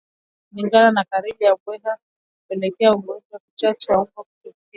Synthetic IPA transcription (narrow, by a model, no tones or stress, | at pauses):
kuliŋɡananakaɾiɓijaɓwɛɦa | kupɛlɛkɛauɡɔd͡ʒwaki̥t͡ʃat͡ʃɛwaukaku̥tɛ